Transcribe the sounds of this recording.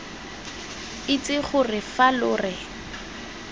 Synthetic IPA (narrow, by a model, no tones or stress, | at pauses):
ɪt͡sʼɪχʊrɪfalʊːrɪ